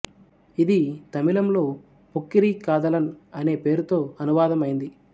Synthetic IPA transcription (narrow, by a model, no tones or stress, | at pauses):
id̪it̪ɐmilɐmlo̞ː | pokːiɾiːkaːd̪ɐlɐnɐne̞ːpe̞ːɾut̪o̞ːɐnuʋaːd̪ɐmɐjind̪i